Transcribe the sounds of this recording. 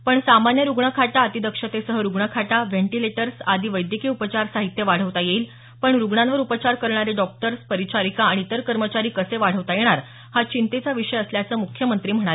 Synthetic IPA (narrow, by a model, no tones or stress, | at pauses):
pəɳsamanjəɾuɡɳəkʰaʈaət̪id̪əkʂət̪esəɦəɾuɡɳəkʰaʈaʋeɳʈileʈəɾsad̪ʱiːʋəjd̪jikiːupət͡ɕaɾsaɦit̪ːjəʋaɽ̤əʋt̪ajeil | pəɳɾuɡɳanʋəɾupət͡ɕaɾkəɾɳaɾeɖɔk̚ʈəɾspəɾit͡ɕʰaɾikaːɽ̃iːt̪əɾkəɾmət͡ɕaɾiːkəseʋaɽ̤əʋt̪ajeɽ̃aɾ | hat͡ɕint̪et͡saʋiʂəjəsljat͡səːmukʰjəmənt̪ɾiːm̤əɽ̃a